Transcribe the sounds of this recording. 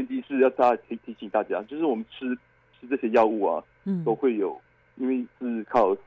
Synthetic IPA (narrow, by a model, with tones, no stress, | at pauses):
ɛ˥˧nt͡ɕi˥˧ʂɻ̩˥˧jɑ˥˩ʊtʰa˥˩t̪ʰi˧˥t̪ʰi˧˥ɕi˨˩ŋt̪a˥˩t͡ɕja˥˦t͡ɕjo˥˧ʊʂɻ̩˥˩wɔ˨˩mə˦nʈ͡ʂʰɻ̩˥ | ʈ͡ʂʰɻ̩˥ʈ͡ʂɤ˥˩ɕjɛ˥jɑ˥˧ʊu˥˩ɐ̰˩ | t̪o˥ʊxwe˥˩ɪjo˨˩ʊ | i˧˥nwe˥˩ɪt͡sɹ̩˥˧kʰɑ˥˩ʊ